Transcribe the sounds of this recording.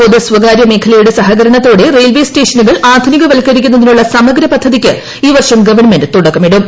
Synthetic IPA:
poðɨsʋɐɡaːɾjɐme̞ːkʰɐlɐjuɽesɐɦɐɡɐɾɐɳɐt̪ːo̞ːɽe̞re̞jlʋe̞ːste̞ːʂɐnuɣɐɭaːd̪ʱuniɣɐʋɐlkːɐɾikʲːunːɐðinuɭːɐsɐmɐɡɾɐpɐd̪ʱːɐðikʲːɨ | iːʋɐrʂɐmɡɐʋɐɳmendɨt̪uɽɐkːɐmiɽum

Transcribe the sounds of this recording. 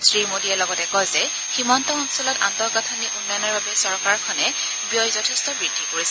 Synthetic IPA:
sɹimodiɛlɔɡɔtɛkɔjzɛ | ximɔntɔɔnsɔlɔta̰ntɔɡatʰaniʔunːɔjɔnɔɹbabɛsɔɹkaɹkʰɔnɛ | bijɔjzɔtʰɛstɔbɹid̥ʱːikoɹisɛ

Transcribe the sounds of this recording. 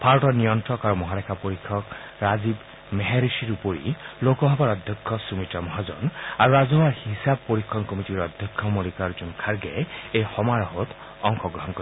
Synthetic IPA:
pʰaɾɔʈɔnijɔntɾɔkaɾumɔɦalɛkʰapɔɾikʰːɔk | ɾazib | meɦeɾisiɾupoɾḭlokɔɦɔbaɾɔd̪ʱjɔkʰːɔsumitɔmɔɦazɔ̰naɾuazɔbaɹhisab̚poɾikʰːɔnkɔmitiɾɔd̪ʱjɔkʰːɔmɔlikaɾd͡ʒunkʰaɾɡɛejxɔmaɾɔɦɔt̪ | ɔŋkɔɡɾɔɦɔnkɔ

